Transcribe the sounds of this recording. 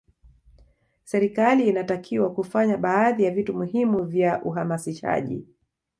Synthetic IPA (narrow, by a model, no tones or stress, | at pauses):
sɛɾikaliːnatakʰiwakufaɲaɓaːðijavitumuhimuvjaʔuɦamasiʃa̰ʄḭ